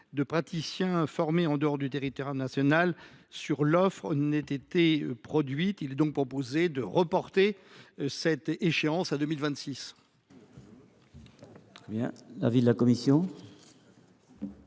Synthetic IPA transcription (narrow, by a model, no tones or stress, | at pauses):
d̪əpχat̪isjɛ̃fɔʁmeɑ̃d̪əɔʁd̪yt̪eʁit̪waʁnasjɔnal | syʁlɔfχnnɛt̪et̪epχɔd̪ɥit̪ilɛd̪ɔ̃k̚pχɔpozed̪əʁəpɔʁt̪esɛt̪eʃeɑ̃sad̪ømilvɛ̃t̪sis | t̪χɛbjɛ̰̃la̰vid̪əlakɔmisjɔ̃